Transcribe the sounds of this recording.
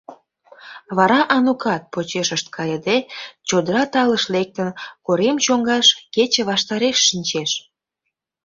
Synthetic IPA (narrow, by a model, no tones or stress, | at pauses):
βɑɾɑʔɑnukɑt̪̚pot͡ɕeʃəʃt̪̚kʰɑjəd̪et͡ɕod̪əɾɑt̪ɑləʃlek̚t̪ənkoɾemt͡ɕoŋɡɑʃket͡ɕəβɑʃt̪ɑɾeʃːinʲt͡ɕeʃ